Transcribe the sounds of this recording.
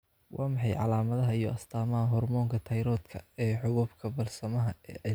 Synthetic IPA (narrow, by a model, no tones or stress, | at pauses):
wʔɑːmɑħɑjʕɑ̰laːmɐðɐɦɐijɞʔɐst̪ʰaːmɐɦɐɦɔrmɔːŋkʰɐt̪ʰɐjɾɔːd̪kʰɐɛːħʊɣʊbkʰɐbɐrsɐmɐɦɐɛː